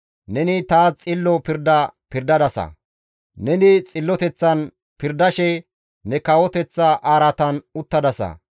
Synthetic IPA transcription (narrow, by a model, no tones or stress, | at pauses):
nɛnɪt̪aːt͡sʼɪlːɔpɪɾd̪ɐpɪɾd̪ɐd̪ɐsɐ̰ | nɛnɪt͡sʼɪlːɔt̪ɛt͡sːɐn | pɪɾd̪ɐʃɛ | nɛkɐwɔt̪ɛt͡sːɐʔaːɾɐt̪ɐnʊt̪ːɐd̪ɐsɐ̰